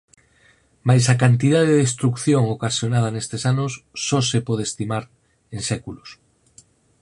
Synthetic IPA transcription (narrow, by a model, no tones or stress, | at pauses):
majsakant̪ið̞aðeðest̪ɾukθjoŋokasjonaðɐnest̪esanʊsːɔsepɔð̞est̪imaɾ | ensɛkulos